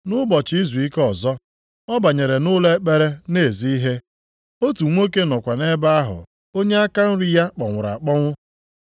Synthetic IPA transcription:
nʊ˦bɔ˨t͡ʃi˦zu˨i˦kɔ˨zɔ˦ | ɔ˦ba˨ɲe˨ɾe˨nʊ˦le˦k͡pe˦ɾe˦ne˦˨zi˦i˦ɦe˦ | o˦tu˨ŋʷo˦ke˦nɔ˨kʷa˨ne˦ba˦a˦ɦʊ̰˨ | o˦ɲe˦a˦ka˦n̩˦ɾɪ˦ja˦k͡pɔ˨ŋʷʊ˨ɾa̰˨k͡pɔ˦ŋʷʊ˦

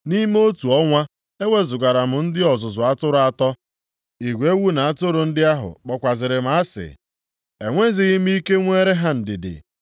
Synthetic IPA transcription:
ni˦m˦o˦tu˨ɔ˦ŋʷa˦ | e˦we˦zʊ˨ɡa˨ɾa˨m̩˨n̩˦dɪ˦ɔ˨zʊ˨zʊ˨a˦tʊ˦ɾʊ˦a˦˨tɔ˦ | i˨ɡʷe˦wu˦na˨a˦tʊ˦ɾʊ˨n̩˦dɪ˦a˦ɦʊ̰˨k͡pɔ˨kʷa˨zɪ˨ɾɪ˨m̩˦a˦sɪ̰˨ | e˨ŋʷe˦zɪ˨ɣɪ˦m̩˦i˦ke˦ŋʷeː˦ɾe˦ɦa˦n̩˨dɪ˨dɪ̰˨

